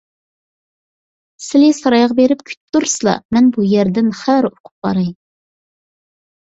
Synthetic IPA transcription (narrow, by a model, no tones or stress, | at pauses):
sɪlɪsɑɾɑjʁɑbeɾɪpkʲʰy̥t̪ːuɾsɨlˠɑ̰mɛnbujɛɾd̪ɪnχæɾoqʰʊ̥p̚bɑ̰ɾɨj